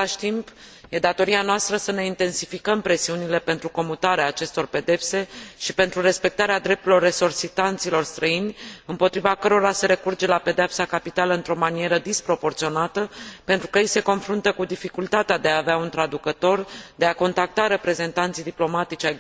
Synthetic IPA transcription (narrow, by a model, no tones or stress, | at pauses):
aʃt̪impje̞d̪at̪o̞ɾianoast̪ɾəsəne̞int̪e̞nsi̥fikəmpɾe̞siunile̞pe̞nt̪ɾuko̞mut̪aɾeaːt͡ʃe̞st̪o̞rpe̞d̪e̞pse̞ʃipe̞nt̪ɾuɾe̞spe̞k̚t̪aɾead̪ɾe̞p̚t̪uɾlo̞rːe̞sorsit̪ant̪silo̞rst̪ɾəinʲɨmpo̞t̪ɾivakəɾo̞ɾase̞ɾe̞kurd͡ʒe̞lape̞d̪eapsakapit̪aləɨnt̪ɾo̞manijeɾəd̪ispɾo̞po̞rt̪sio̞nat̪əpe̞nt̪ɾukəjejse̞ko̞nfɾunt̪əkud̪ifikult̪at̪ead̪e̞aːveaunt̪ɾad̪ukət̪o̞rd̪e̞ako̞nt̪ak̚t̪aɾe̞pɾe̞ze̞nt̪ant̪sijd̪iplo̞mat̪it͡ʃʲa